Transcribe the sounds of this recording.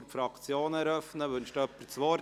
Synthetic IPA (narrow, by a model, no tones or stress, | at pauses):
ɾfɾɑkt͡sjoːnɛɾœfnəʋʉnʃtœpːəsʋɔɾ